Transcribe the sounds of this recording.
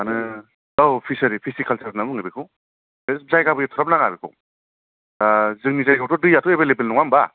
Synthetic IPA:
anɯ | awpʰisɐɾipʰisikʰalsʰaɾnamɯŋɯbikʰɯw | beszajɡabɯjatʰɔɾɔp̚naŋabikʰɔ̰ | zɯŋnizajɡawtʰɔdɯjatʰuebelebelnɔŋamba

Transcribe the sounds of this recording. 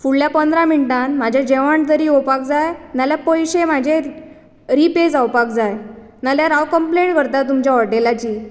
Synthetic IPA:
fuɭljapənd̪ɾamiɳʈãnmad͡ʑʱjad͡ʑeʋaɳʈ̚t̪əɾiːopakd͡zajnaljapəjɕemad͡ʑʱe | ɾiped͡zawpak̚d͡zaj | naljaɾaʋkəmpleɳʈkəɾt̪at̪̬umt͡ɕaʋəʈelat͡ɕiː

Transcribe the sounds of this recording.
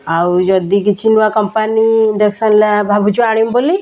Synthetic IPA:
awd͡ʒʌd̪ikit͡ʃʰinwakʌmpaniiɳɖeksʌnlabʱabʱut͡ʃʰuaɽ̃imbolːi

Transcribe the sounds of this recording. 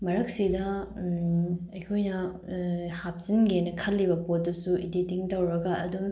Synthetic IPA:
mɐɾɐk̚sidɐ | ɐjkʰojnɐ | hap̚sinɡenɐkʰɐlːibɐpot̚dɐsuiditiŋtɐwɾɐɡɐɐ̰du

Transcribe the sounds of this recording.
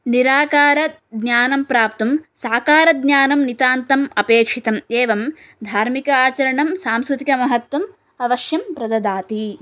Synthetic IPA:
niɾaːkaːɾɐ | d̪naːnɐmpɾaːp̚t̪ɐmsaːkaːɾɐd̪njaːnɐmnit̪aːnt̪ɐmɐpeːkʂit̪ɐmeːʋɐm | d̪ʱaːɾmikɐaːt͡ʃɐɾɐɳɐmsaːmskɾut̪ikɐmɐɦɐt̪ʋɐm | ɐʋɐʃjɐmpɾɐd̪ɐd̪aːt̪i

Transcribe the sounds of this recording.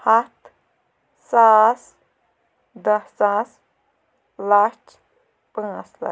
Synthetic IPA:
hat̪ | sas | d̪ɐsas | lat͡ʃ | pãsla̰

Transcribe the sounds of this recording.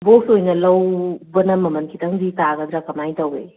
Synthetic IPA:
bosojnɐlɐwbɐnɐmːɐmɐnkʰitɐŋzitaɡad̪ɾakɐmajtawḛ

